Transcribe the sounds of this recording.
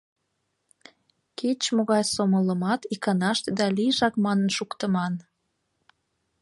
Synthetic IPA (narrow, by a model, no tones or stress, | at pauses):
ket͡ɕmoɣɑjsomələmɑt̪ikɑnɑʃt̪ed̪ɑliʒɑkmɑnənʃukt̪əmɑn